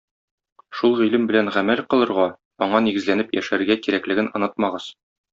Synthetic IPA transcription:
ʃulˠʁilɘmbɘ̆lænʁæmælqɤ̆lˠɤ̆ɾʁɑ | ɒɴɑniɡɘ̆zlænɘpjæ̰ʃæɾɡækiɾæklɘ̆ɡɘnɒ̆nɤt̪mɑʁɤz

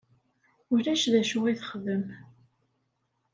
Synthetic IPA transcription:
ʊɾæʃðæʃuiθəχðəm

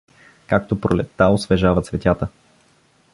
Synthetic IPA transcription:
kak̚t̪opɾolɛt̪ːaosvɛʒavət̪svɛt̪ʲat̪ə

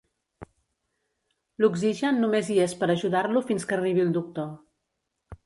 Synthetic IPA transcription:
luɡziʒənːumeziespəɾəʒuðaɾlufinskəriβilˠd̪uk̚t̪o

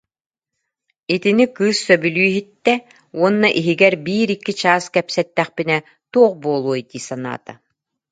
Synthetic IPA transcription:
it̪inikɯːsːœbylyːɦit̪ːɛ | uɔnːaʔiɦiɡɛɾbiːɾikːit͡ɕaːskɛpsɛt̪ːɛχpinɛ | t̪uɔχbuɔlˠuɔit̪iːsana̰ːt̪a̰

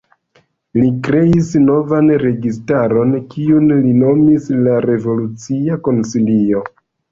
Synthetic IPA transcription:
likɾe̞isno̞vanɾe̞ɡistaɾo̞nkiunlino̞mislaɾe̞volut͡siako̞nsilio̞

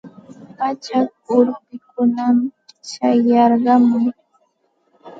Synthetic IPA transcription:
mat͡ʃak̚ʊɾpɪkʊnamt͡ʃajɑɾɢɑmɪ

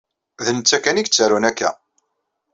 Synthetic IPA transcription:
ðənət͡sːækːæniɡt͡sːəɾunækːæ̰

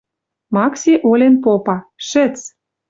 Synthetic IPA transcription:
mɑksʲiʔolʲenpopɑʃɘ̆t͡s

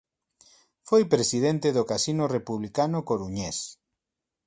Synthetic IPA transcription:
fojpɾesiðent̪eðokasinʊrepuβlikanʊkoɾuɲes

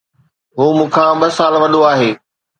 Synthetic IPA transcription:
ɦuːmũːkʰãːɓɐsaːlʋɐɗ̪ʱoaːɦeː

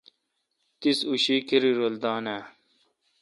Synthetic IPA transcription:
t̪isuɕiːkiɾiɾold̪aːnaː

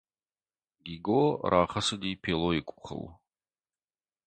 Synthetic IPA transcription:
ɡʲiɡoɾʔaːχɐsɨdiːpʰeloikʷʼʊχə̰l

